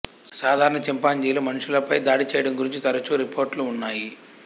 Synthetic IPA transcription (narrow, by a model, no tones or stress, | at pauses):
saːd̪ʱaːɾɐɳɐt͡ʃɛmpaːɲd͡ʒejlomɐnuʂulɐpɐjd̪aːɽit͡ʃɛːjɐɽɐmɡuɾiɲt͡ʃit̪ɐɾɐt͡ʃuɾipʰoːɾʈluːnːaːji